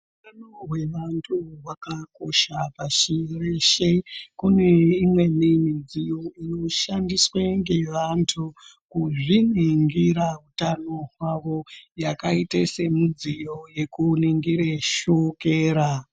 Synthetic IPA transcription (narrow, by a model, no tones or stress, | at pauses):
utanoɦwe̞ʋantʰuwakako̞ʃapaʃireʃekune̞imwe̞nimid͡zijoino̞ʃandisweŋɡe̞ʋantʰu | kuʐiniŋɡiɾautano̞ɦwaʋo̞jakaitese̞mud͡zijo̞je̞kuniŋɡiɾeʃokeːɾa